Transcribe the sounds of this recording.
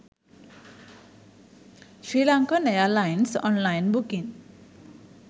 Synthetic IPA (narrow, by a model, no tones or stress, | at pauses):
sɾilaŋkɔnʌjalajnsɔnlajnbukin